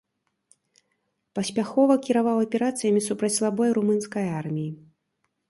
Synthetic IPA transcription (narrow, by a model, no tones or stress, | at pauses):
pɐsʲpʲaxɔvɐkʲiɾavawɐpʲɛɾat̪sɨjɐmʲisupɾɐt͡sʲslˠabɔjɾumɨnskɐjarmʲiji